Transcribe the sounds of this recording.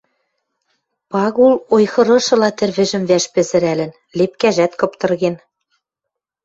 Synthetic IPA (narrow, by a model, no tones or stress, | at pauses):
pɑɣulojxɤ̆ɾɤ̆ʃɤ̆lɑt̪ɘ̆rβɘ̆ʒɘ̆mvæʃpɘ̆zɘ̆ɾælɘ̆n | lepkæʒæt̪kɤ̆pt̪ɤ̆rɣen